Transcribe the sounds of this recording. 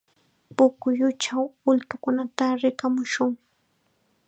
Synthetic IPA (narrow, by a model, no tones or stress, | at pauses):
pʊkʊjʊt͡ʃawʊlt̪ʊkʊnat̪aɾɪkamʊʃʊŋ